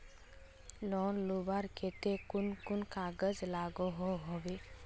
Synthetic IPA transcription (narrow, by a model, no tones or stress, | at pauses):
lɔːnlubaɾket̪ekʊnkʊnkaːɡəzlaːɡoɦoɦobe